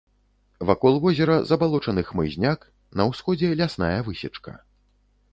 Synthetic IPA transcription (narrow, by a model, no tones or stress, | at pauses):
vakɔlˠvɔzʲɛɾɐzɐbalˠɔt͡ʂɐnɨxmɨ̰zʲnʲak | nɐwsxɔd͡zʲɛlʲasna̰jɐvɨsʲɛt͡ʂkɐ̰